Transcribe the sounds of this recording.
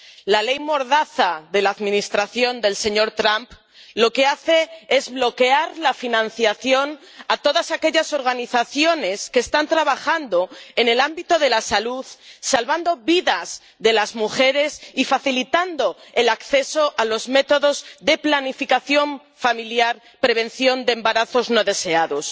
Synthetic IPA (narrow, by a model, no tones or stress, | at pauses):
lale̞jmo̞ɾðaθaðe̞laːðmĩnist̪ɾaθjo̞nd̪e̞lseɲo̞ɾt̪ɾamp | lo̞ke̞aθe̞e̞zβlo̞ke̞aɾlafinãnθjaθjo̞n | at̪o̞ðasake̞ʎaso̞ɾɣaniθaθjo̞ne̞ske̞ːst̪ant̪ɾaβaxand̪o̞e̞ne̞lambit̪o̞ðe̞lasaluðsalβand̪o̞βiðaz | ðe̞lazmuxe̞ɾe̞sifaθilit̪and̪o̞e̞lakθe̞so̞ʔalo̞zme̞t̪o̞ðo̞zðe̞planifikaθjo̞ɱ | familjaɾ | pɾe̞β̞ẽ̞nθjo̞nd̪embaɾaθo̞zno̞ðe̞se̞aðo̞s